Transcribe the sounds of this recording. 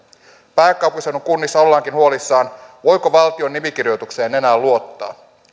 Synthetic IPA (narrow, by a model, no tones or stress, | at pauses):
pæːkːˑɑwpːusenoŋkunːisːɑo̞lːɑːŋk̟inhuo̞lisːɑːnʋo̞jko̞ʋɑlt̪io̞nːimik̟irjo̞jt̪ukse̞ːne̞næːlːuo̞t̪ːɑ̰ː